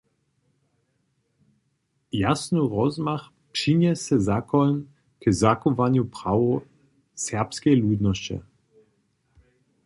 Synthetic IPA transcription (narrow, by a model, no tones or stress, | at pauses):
jasnuʁɔzmax | pʂiɲɛsɛzakɔln | kəzakovaɲjupʁawo | sɛʁpskɛjluːd̪nɔst͡ɕɛ̰